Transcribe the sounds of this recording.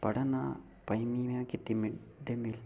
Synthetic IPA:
pɐɽɐna̰ | pɐjmimekit̪imid̪emil

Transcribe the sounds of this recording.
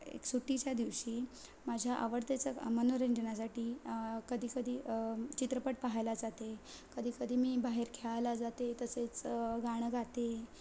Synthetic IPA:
ḛksuʈit͡ɕjad̪iʋɕiːmad͡ʑʱjaʔa̰ʋəɾt̪et͡samənoɾeɲd͡ʑənasaʈiːkəd̪ʱiːkəd̪ʱiːt͡ɕit̪ɾəpəʈ̚paɦajlad͡zat̪ekəd̪ʱiːkəd̪ʱiːmiːbaɦeɾkʰeɭajlad͡zat̪et̪əset͡sɡaɽ̃əɡʱat̪e

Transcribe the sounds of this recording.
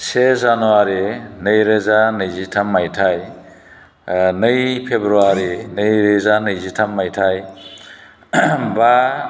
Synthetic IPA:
sezanuaɾinɯjɾezanɯjzitʰamːajtʰaj | nɯjpʰebɾuaɾinɯjɾezanɯjzitʰamːajtʰaj | ba

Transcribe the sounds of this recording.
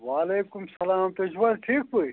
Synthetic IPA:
waːleːkumsɐlaːmt̪ɐd͡ʑbɐɾʈʰiːkɦui

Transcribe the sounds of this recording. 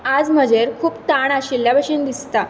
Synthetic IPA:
ad͡zm̤əd͡ʑeɾkʰuːpt̪aɳ̃aɕiljabəɕend̪ist̪a

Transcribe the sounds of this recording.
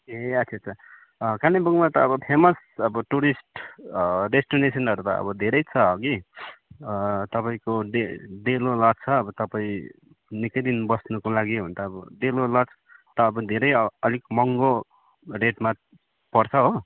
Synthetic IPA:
eʌtsʰʌt͡sʰʌ | kanibuŋmat̪ʌːbʌpʰemʌs | ʌbʌʈuɾisʈ | resʈonesʌnʌɾut̪ʌ̰ʌ̰bʌd̪ʱeɾʌjt͡sʰʌɦʌɡi | t̪ʌpaĩkoɖeɖelolʌt͡sʰʌːbʌt̪ʌpaĩ | nikʌd̪inbʌsnukolaɡibʱʌnt̪aːbʌɖelolʌt͡sʰʌ̥t̪ʌːbʌd̪ʱeɾʌjʌlikmʌŋɡo | reʈma | pʌrt͡sʰʌɦo

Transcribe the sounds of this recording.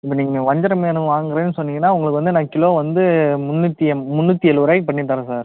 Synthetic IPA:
ɪpːɐːniːŋɡɐʋɐɲd͡ʒɐɾɐmenɯʋaːŋɡɪɾeːnːɯsɔnːɪŋɡɐnːaːʊŋɡɐɭɯkːɯʋɐnd̪ɯnãːɐkɪloːʋɐnd̪ɯmʊnːɯt̪ːɪjɐmmʊnːɯt̪ːɪɛlɯʋɐɾaːjpɐɳːɪʈ̬ːaːɾɐ̃saːɾ

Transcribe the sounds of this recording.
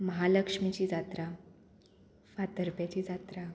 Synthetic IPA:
məɦaləkʂmit͡ɕiːd͡zat̪ɾa | fat̪əɾpjat͡ɕiːd͡zat̪ɾa

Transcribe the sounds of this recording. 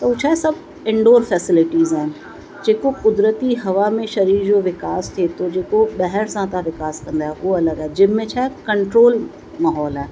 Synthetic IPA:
t̪ɐut͡ɕʰaːɦesɐbʱ | ɪ̃ɳɖoːɾfɛːsɪlɪʈiːzaːɦɪnɪ̆ | d͡ʑeːkokʊd̪ɾət̪iɦɐʋamẽʃɐɾiːɾd͡ʑoːʋɪkaːst̪ʰiet̪ʰod͡ʑeːkoɓɐɦɛɽsãt̪ãʋɪkaːskɐ̃nd̪aːɦeʔuoɐləɡaːed͡ʑɪmːẽt͡ɕʰaːɦekɐ̃ɳʈɾoːl | maːɦɔːlaɦe

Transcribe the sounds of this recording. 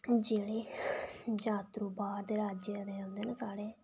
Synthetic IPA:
d͡ʒeːɽeː | d͡ʒaːt̪ɾuːbaːɾd̪eːɾaːd͡ʒed̪eːõnd̪eːnəsaːɽeː

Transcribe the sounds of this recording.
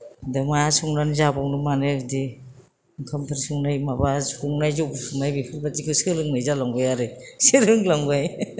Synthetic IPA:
dɯmasuŋnanzabɔwnɯmanɯdi | ŋkʰɯmpʰaɾsuŋnajmabasuŋnajzuksmajbikʰɯlbatikʰɯsɯlɯŋnɯjzalɔŋbajaɾɯsiɾɯŋlaŋbaj

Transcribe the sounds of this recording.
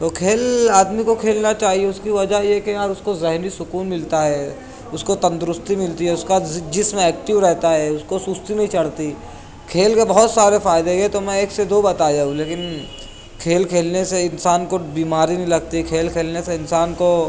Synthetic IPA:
t̪okʰeːlaːd̪mikokʰeːlnat͡ʃaːɦieʊskiʋɐd͡ʒajekeaːɾʊskozɛɦnisʊkuːnmɪlt̪aɦɛː | ʊskot̪ɐ̃nt̪ɾʊst̪imɪlt̪iɦɛʊskad͡ʒɪsmẽɛːk̚ʈɪʋɾɛɦt̪aɦɛːʊskosʊst̪inɐɦĩt͡ʃɐɽt̪i | kʰeːlkebɐɦɔt̪saːɾefaːɪd̪eket̪omɛ̃eːksed̪oːbɐt̪aːd͡ʒaːũleːkɪn | kʰeːlkʰeːlneseɪnsaːnkobiːmaːɾinɐɦĩlɐɡ̚t̪ikʰeːlkʰeːlneseɪnsaːnko

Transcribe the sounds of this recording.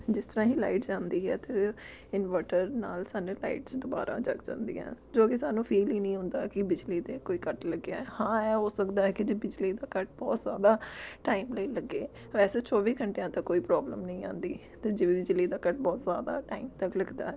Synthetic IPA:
d͡ʒɪst̪əɾãːɦiːla̰ːɪʈd͡ʒãːnd̪iːɦɛ̰ːt̪eː | ɪnʋəːʈəɾna̰ːlsaːneːla̰ːiʈsd̪ʊba̰ːɾã̰ːd͡ʒə̰ɡd͡ʒã̰ːnd̪ḭːɛ̰̃ːd͡ʒoːkɪsaːnũːpʰiːliːnəĩːɦʊ̃nd̪aːkɪbɪd͡ʒliːd̪eːkoːiːkəʈləɡːja̰ːɛːhãːɛːɦoːsəkd̪aːɛːkɪd͡ʒeːbɪd͡ʒliːd̪aːkəʈ̚bɔːt̪zjaːd̪aːʈaːimləiːləɡːeː | ʋɛːseːt͡ʃɔːʋiːkʰəɳʈejãːt̪əkːoːiːpɾɔːbləmnəĩːã̰ːnd̪iː | t̪eːd͡ʒeːʋiːbɪd͡ʒliːd̪aːkəʈ̚bɔːt̪za̰ːd̪a̰ːʈaːiːmt̪əkləɡd̪a̰ːɛː

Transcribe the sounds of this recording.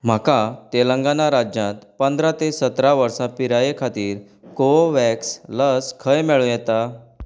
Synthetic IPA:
m̤akat̪elə̃ŋɡanaɾad͡ʑjãt̪pənd̪ʱɾat̪esət̪ɾaʋəɾsapiɾajekʰat̪iːɾ | koʋɛksləskʰəjmeɭũjɛt̪a

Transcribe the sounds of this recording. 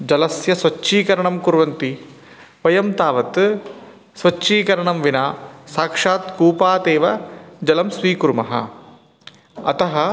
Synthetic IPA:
d͡ʒɐlɐsjɐsʋɐt͡ʃːʃiːkɐɾɐɳɐmkuɾʋɐnt̪i | ʋɐjɐmt̪aːʋɐt̪ | sʋɐt͡ʃːʃiːkɐɾɐɳɐmʋinaːsaːkʂaːt̪kuːpaːt̪eːʋɐd͡ʒɐlɐmsʋiːkuɾumɐɦɐ̰ | ɐt̪ɐɦɐ

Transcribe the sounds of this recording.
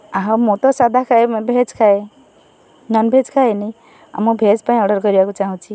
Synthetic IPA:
aɦãmot̪ɔsad̪ʱakʰaebʱed͡zkʰae | nʌnbʱed͡zkʰaeni | a̰mubʱed͡zpaĩɔɽʌɾɡʌɾibakut͡saɦɔ̃t͡ʃʰi

